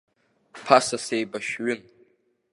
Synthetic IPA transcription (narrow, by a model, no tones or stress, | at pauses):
pʰasasejbaʃᶣɥɪn